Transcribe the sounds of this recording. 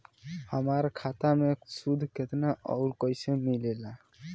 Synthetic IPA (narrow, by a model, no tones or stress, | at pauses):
həmaɾkʰat̪amesud̪ʱket̪naʔɔ̰ʊɾkəjsemilela